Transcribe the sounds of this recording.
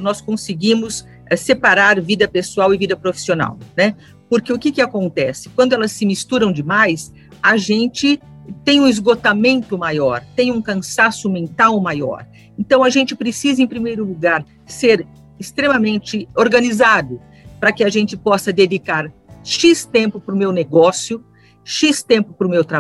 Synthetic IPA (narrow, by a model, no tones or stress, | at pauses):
nɔskõsɪɡĩmʊs | ɛsepaɾaɾvid̪ɐpesuawɪvid̪ɐpɾofi̥siona̰wnɛ | poɾkeʊkɪkɪakõnt̪ɛsɪ̥kwɐ̃nd̪ʊɛlɐsːɪmist̪uɾɐ̃w̃d͡ʒɪmajs | aʒẽnt͡ʃɪ | t̪ẽj̃ũɪzɡot̪amẽnt̪ʊmajɔɾt̪ẽj̃ũkɐ̃sasʊmẽnt̪awmajɔ̰ɾ | ẽnt̪ɐ̃w̃ɐʒẽnt͡ʃɪpɾesizɐẽpɾimejɾʊluɡaɾ | seɾ | ɪst̪ɾemɐmẽnt͡ʃɪoɾɡɐnizad̪ʊ | pɾɐkɪaʒẽnt͡ʃɪpɔsɐd̪ed͡ʒikaɾʃist̪ẽmpʊpɾʊmewneɡɔsjʊ | ʃist̪ẽmpʊpɾʊmewt̪ɾa